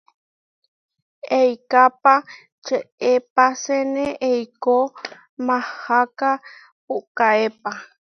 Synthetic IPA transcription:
ejkapa | t͡ʃəepaseneʔejko | mahaka | puʔkaepa

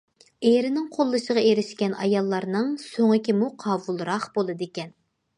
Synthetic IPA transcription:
eɾɪnɪŋqʰolˠːɨʃəʁɑeɾɪʃkʲɛnɑjɑlˠːɑɾnɨŋsoŋɪkʲimuqʰɑːwulˠɾɑχb̥olˠɨd̪ekʲɛn

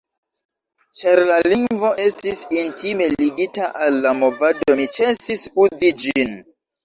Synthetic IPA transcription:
t͡ʃaɾlaliŋvo̞ʔe̞stisintʰime̞liɡitaʔalːamovado̞mit͡ʃesisud͡zid͡ʒin

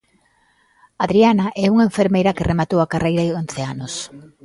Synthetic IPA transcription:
aðɾianɐʔɛuŋaeɱfeɾmejɾɐkɪremat̪owakarʔejɾaɪon̟θɪanʊs

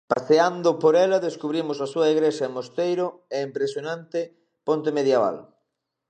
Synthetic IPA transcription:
pa̰θeand̪ʊpoɾɛlɐðeskuβɾimʊsasuɐiɣɾeʃɐeŋmost̪ejɾʊɛimpɾesjonãnt̪ɪ | pont̪emeðjaβa̰l

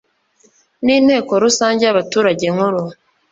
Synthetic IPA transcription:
niːnhe̞ːko̞ɾusaːɲɟejaβatuːɾaɟe̞ŋuɾu

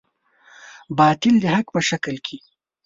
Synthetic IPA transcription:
bɑːt̪ɪld̪əhakpəʃakəlkʰi

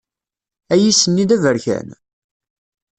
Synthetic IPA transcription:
æjisənːid̪ævəɾçæ̰n

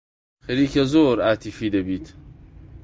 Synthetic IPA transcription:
xɐɾiːkʰɐzoːɾaːt̪ʰifiːd̪ɐbiːt̪ʰ

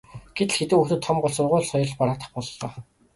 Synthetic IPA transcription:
ɡ̥et̪ɮxet̪ɘ̆kuxt̪ɘ̆t̪ʰːɔmɢʊɮsʊrʁʊːɮsɔjɞ̆ɮpaɾaːt̪ə̥̆χpɔɮt͡ɕɔː

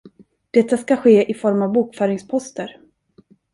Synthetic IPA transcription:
d̪̥ɛt̪ːaskaɧeːʔɪfɔɾmavbuːkfœːɾɪŋspʰɔst̪əɾ

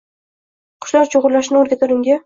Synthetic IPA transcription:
qʰʊ̥ʃlaɾt͡ʃʰoʁʊɾlaʃnɪoɾɡʲat̪ʰʊɾɪŋɡʲa

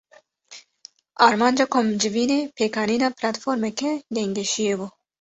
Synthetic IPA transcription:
aːɾmɑːnd͡ʒakʰomd͡ʒɪviːneːpʰeːkɑːniːnɑːplat̪foːɾmɛkɛd̪eŋɡeʃijebu

